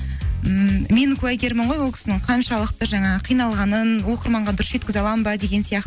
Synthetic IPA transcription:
mme̞nkʰʲuɑjkʲeɾmɪɴʁojwolˠkʲɪ̥sɪnɪŋɴqʰɑnʃɑlˠəq̚t̪əʒɑɴɑəqʰijnɑlˠʁɑnənwo̞qəɾmɑɴʁɑd̪ʊɾəsʒet̪kʲɪzɑlˠɑmbɑd̪e̞ɡʲe̞nsijɑqt̪ə

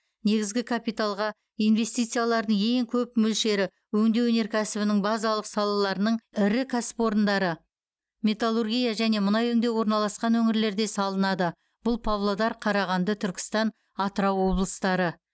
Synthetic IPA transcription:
ne̞ɡʲɪzɡʲɪkʰapijt̪alˠʁɑ | ijnve̞st̪ijt̪sɨjalˠɑɾd̪əɴe̞ŋkʲʰɵp̚mʏlʃe̞ɾɪ | wɵŋd̪e̞wɵne̞ɾkʲʰæsɪbɪnɪŋbɑzɑlˠəqsɑlˠɑlˠɑɾənəɴɪɾɪkʲʰæsɪ̥pwo̞ɾənd̪ɑɾə | mʲe̞t̪alˠurɡʲijaʒæne̞mʊnɑjɵŋd̪e̞wo̞ɾnɑlˠɑsqɑnwɵŋɪɾle̞ɾd̪e̞sɑlˠənɑd̪ə | b̥ʊlˠpʰavlˠod̪ɑɾqʰɑɾɑʁɑnd̪ət̪ʰʏɾkʲɪ̥st̪ɑn | ɑt̪əɾɑwːo̞blˠəst̪ɑɾə

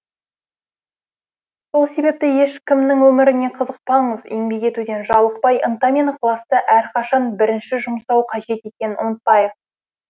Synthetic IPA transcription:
so̞lˠse̞be̞p̚t̪ɪje̞ʃkʲɪmnɪŋwɵmɪɾɪne̞qʰəzəq̚pɑɴəzḛŋbe̞kʲe̞t̪ud̪e̞nʒɑlˠəq̚pɑjʔənt̪ɑmʲenqʰlˠɑst̪əʔæɾqʰɑʃɑnbɪɾɪnʃɪʒʊmsɑwqʰɑʒe̞t̪e̞kʲe̞nɪnʊmət̪̚pɑjəq̚

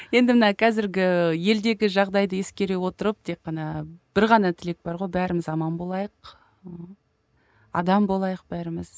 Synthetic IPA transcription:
je̞nd̪ɪmənɑqʰɑzɪɾɡʲɪje̞ld̪e̞ɡʲɪʒɑʁd̪ɑjd̪əje̞skʲe̞ɾe̞wo̞t̪əɾəp̚t̪ʰe̞qːɑnɑb̥ɪɾʁɑnɑt̪ʰɪle̞k̚bɑɾʁo̞jbæɾɪmɪzɑmɑmbo̞lˠɑjəq | ɑ̰d̪ɑmbo̞lˠɑjəq̚b̥æɾɪmɪz̥

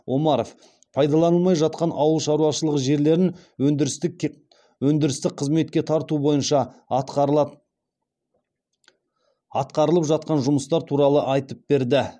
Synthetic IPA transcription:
wʔo̞mɑɾof | pʰɑjd̪ɑlˠɑnəlˠmɑjʒɑt̪̚qɑnʔɑwəlˠʃɑɾuɑʃəlˠəʁəʒe̞ɾle̞ɾɪnɵd̪ɾs | wɵnd̪ɪɾɪst̪ɪk̚qʰəzme̞t̪̚kʲe̞t̪ʰɑɾt̪ubo̞jənʃɑ | ɑt̪qɑɾəlˠəpʒɑt̪̚qɑnʒʊməst̪ɑɾt̪ʰuɾɑlˠəʔɑjt̪əp̚be̞ɾd̪ɪ

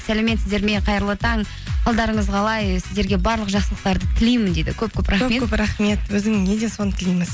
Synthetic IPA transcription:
sæleme̞t̪sɪzd̪e̞ɾme̞ɴqʰɑjəɾəlˠət̪ʰɑɴʰ | ɑlˠd̪ɑɾəɴəzqʰɑlˠɑjsɪzd̪e̞ɾɡʲe̞bɑɾlˠəqʒɑqsəlˠəq̚t̪ɑɾd̪ət̪ʰɪlijmɪnd̪e̞d̪ɪ̰kʲʰɵp̚kʲʰɵpɾʔɑχkɵmekʲɵpɾɑχme̞t̪wɵzɪŋne̞d̪e̞so̞nət̪ɪlijmɪz̥

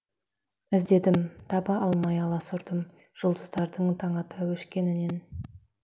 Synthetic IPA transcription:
ɪzd̪e̞d̪ɪmt̪ʰɑbɑʔɑlˠmɑjɑlˠɑsʊɾd̪əm | ʒ̥ʊlˠd̪əzd̪ɑɾd̪əɴt̪ʰɑɴɑt̪ɑwɵʃkʲe̞nɪne̞n

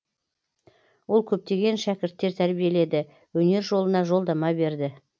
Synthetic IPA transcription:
wo̞lˠkʲʰɵp̚t̪e̞ɡʲe̞nʃækʲɪɾt̪ːeɾt̪ʰæɾbije̞le̞d̪ɪ | wɵne̞ɾʒo̞lˠənɑʒo̞lˠd̪ɑmɑbe̞ɾd̪ɪ

